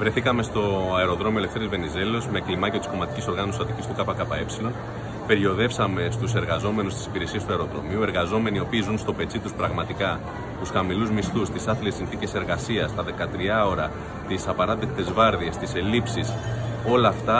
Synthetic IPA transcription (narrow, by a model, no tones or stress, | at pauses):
vɾe̞θikɐme̞st̪o̞ɐeɾo̞ðɾo̞mioelefθe̞ɾizve̞nize̞lo̞zme̞ːklimɐceot̪isko̞mɐt̪i̥ciso̞ɾɣɐnosɐt̪icist̪ukɐpɐkɐpɐe̞psilo̞n | pe̞ɾjo̞ðe̞fsɐme̞st̪use̞ɾɣɐzo̞me̞nust̪isi̥piɾe̞sie̞st̪uɐeɾo̞ðɾo̞̰miue̞ɾɣɐzo̞me̞nio̞piːzunst̪o̞pe̞t͡sit̪uspɾɐɣmɐt̪ikɐ | t̪usxɐmiluzmist̪ust̪isɐθile̞sinθice̞se̞ɾɣɐsiɐst̪ɐðe̞kɐt̪ɾiɐo̞ɾɐ | t̪isɐpɐɾɐt̪ek̚t̪e̞zvɐɾðiest̪ise̞lipsiso̞lɐːft̪ɐ